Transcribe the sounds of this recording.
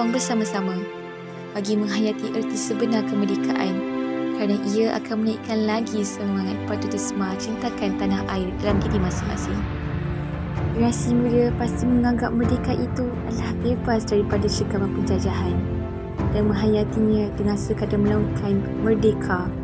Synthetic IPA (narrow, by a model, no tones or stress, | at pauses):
aŋbərsamãsamã | b̥aɡimə̃ŋɦajat̪iʔərt̪isəbənarkəmərdekaʔankaɾanaʔiaʔa̰kanmənaḭʔkanlaɡisəmaŋat̪̚pat̪ut̪əsəmat͡ʃint̪akant̪anahʔaɪrdalamdidimasɪŋma̰sɪŋ | iɾasimudəpast̪iməŋãŋɡap̚mərdekaʔit̪u | a̰lahbebasdaɾipadaʃəkamanpəɲd͡ʒad͡ʒaɦan | d̥anmə̃ŋɦajat̪iɲãt̪əŋasəkadaməlaŋkʰan | mərdekʰa